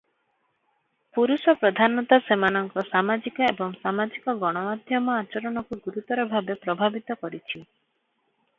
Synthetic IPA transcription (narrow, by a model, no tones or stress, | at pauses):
puɾusɔpɾɔd̪ʱanɔt̪asemanɔŋkɔsamad͡ʒikɔebɔŋsamad͡ʒikɔɡɔɽ̃ɔmad̪ʱjɔmɔat͡ʃɔɾɔɽ̃ɔkuɡuɾut̪ɔɾɔbʱabepɾɔbʱabit̪ɔkɔɾit͡ʃʰi